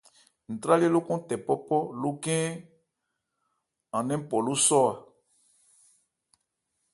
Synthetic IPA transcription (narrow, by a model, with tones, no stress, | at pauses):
n̩˨tɾa˦le˦lo˦kɔ̃˦tɛ˨pɔ˦pɔ˦lu˦kɛ̃˦ | ã˨nɛ̃˦m˦pɔ˨lu˦sɔ˦a˨